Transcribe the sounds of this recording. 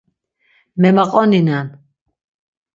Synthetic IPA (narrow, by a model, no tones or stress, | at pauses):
mɛmaqʼɔninan